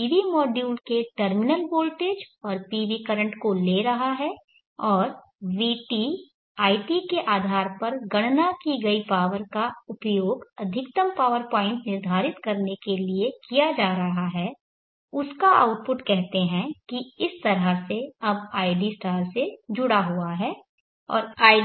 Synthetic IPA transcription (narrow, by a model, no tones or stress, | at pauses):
iːʋimɔːɖjuːlkeʈəɾmɪnəlboːlʈeːd͡ʒɔːɾpiːʋikɐɾə̃ɳʈkoleːɾɐɦaɦɛː | ɔːɾ | ʋiːʈiː | aːɪʈikeʔaːd̪ʱaːɾpɐɾɡɐɽ̃nakiɡɐipaːʋəɾkaʊpjoːɡɐd̪ʱɪkt̪əmpaːʋəɾpãːɪ̃ɳʈnɪɾd̪ʱaːɾɪt̪kɐɾnekeliekijad͡ʒaːɾɐɦaɦɛː | ʊskaʔa̰ʊʈ̚pʊʈkɛɦt̪eɦɛ̃kiɪst̪ɐɾəseɐbaːɪɖisʈaːlsed͡ʒʊɽaɦuaɦɛː | ɔ̰ːɾaː